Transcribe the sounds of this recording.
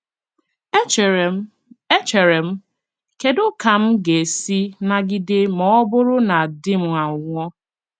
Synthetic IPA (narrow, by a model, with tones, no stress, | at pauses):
e˦t͡ʃe˨ɾe˨m̩˦ | ke˨dʊ˦ka˨m̩˦ɡe˨si˦na˨ɡɪ˨dɪ˦mɔ˨˦ɔ˦bʊ˦ɾʊ˦na˨dɪ˦m̩˨ŋʷa˨ʊ˨ŋʷɔ˦